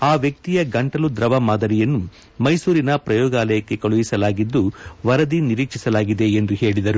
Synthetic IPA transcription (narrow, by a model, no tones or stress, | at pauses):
aːʋjɐk̚t̪ijɐɡɐɳʈɐlud̪ɾɐʋɐmaːd̪ɐɾijɐnːu | mɐjsuːɾinɐpɾɐjɔːɡaːlɐjɐkːe̞kɐɭuʋisɐlaːɡid̪ːuʋɐɾɐd̪iniɾiːkʂisɐlaːɡid̪e̞ːnd̪uhe̞ːɭid̪ɐɾu